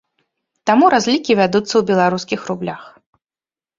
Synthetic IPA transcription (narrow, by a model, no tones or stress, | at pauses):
t̪amuɾazʲlʲikʲivʲad̪ut̪sːɐwbʲɛlˠaɾuskʲixrublʲax